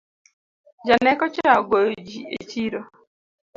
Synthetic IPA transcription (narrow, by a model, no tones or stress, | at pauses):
d͡ʒanɛkɔt͡ʃɾaɡojd͡ʒiḛt͡ʃiɾo